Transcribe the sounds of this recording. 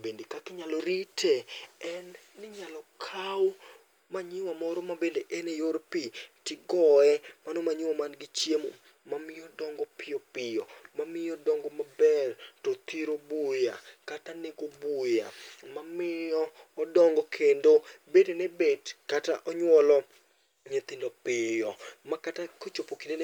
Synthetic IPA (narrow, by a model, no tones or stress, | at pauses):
bendikakɪɲalɔɾitʰeɛnː | ɪɲalɔkʰaw | maɲɪwamɔɾɔmabendeʔenejoɾpitɪɡɔɛmanomaɲɪwamanɡɪt͡ʃjemo̰ | mamɪjɔdɔŋɡɔpɪjɔpɪjɔmamɪjɔdɔŋɡɔmabɛrtɔt̪iɾobujakatanekobuja̰mamɪɔː | dɔŋɡɔkʰendobedenebedkata̰ʔɔɲwɔlɔ | ɲet̪ɪndɔpɪjɔmakatakot͡ʃopokiden